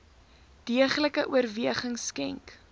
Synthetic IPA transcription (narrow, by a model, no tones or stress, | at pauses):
d̥iəχləkəʔuərviəχəŋskɛŋk